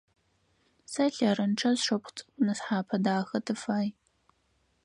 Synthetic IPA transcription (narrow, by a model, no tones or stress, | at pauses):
sɐɬɐɾɐnʈ͡ʂʰɐzʂɐpχt͡sʼɨ̥kʷʼʊnɨsħaːpʰɐdaːxɐtʰɨfaːj